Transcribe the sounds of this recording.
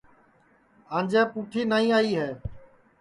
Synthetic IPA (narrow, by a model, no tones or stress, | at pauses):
ãːnd͡ʒaːpuːʈʰiːnaːĩːaːiːɦɛː